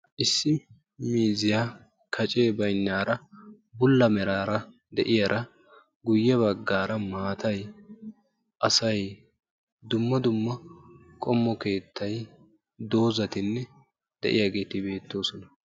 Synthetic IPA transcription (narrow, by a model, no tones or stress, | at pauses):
ʔɪsːɪ | miːzɪja | kʰɐt͡ʃʼe̞ːbɐjnːaːɾɐ | bʊlːɐmɛɾaːɾɐ | d̪ɛʔɪjaɾʔɐ | ɡʊjːɛβɐɡːaːɾɐmaːt̪ɐj | ʔɐsɐj | d̪ʊmːɐd̪ʊmːɐkʼɔmːɔke̞ːt̪ʰːɐj | d̪o̞ːzɐt̪ɪnːɛ | d̪̥ɛ̰ʔɪ̰jaːɡe̞ːt̪ɪbe̞ːt̪ːo̞ːsɔnɐ